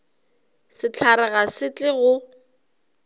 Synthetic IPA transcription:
sɪt͡ɬʰaɾɛɣasɪt͡ɬʼɪɣʊ

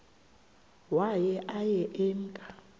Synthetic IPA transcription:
wajɛʔajɛʔɛːm̩kʼa

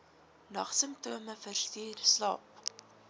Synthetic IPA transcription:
nɐχsəmtuəməfərstiːrslɑ̰ːp̚

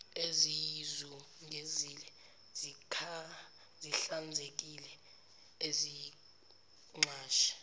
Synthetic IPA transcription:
ezijzuŋʱeziːlɛ | z̥ikʰa | ziɬand͡zʱek̬ilɛ | ezi | ŋ͡ǁaːʃḁ

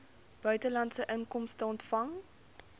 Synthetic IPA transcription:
b̥œɥtəlɐntsəʔəŋkɔmstəɔntfɐŋ

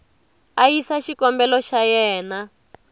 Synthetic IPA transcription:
ajisaʃikɔmbɛlɔʃajɛːna

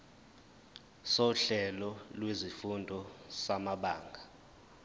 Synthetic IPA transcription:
soɬɛlɔlwezifundʱɔsamaɓaːŋɡʱa

